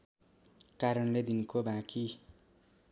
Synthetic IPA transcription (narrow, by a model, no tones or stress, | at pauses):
kaɾʌnled̪inkobãki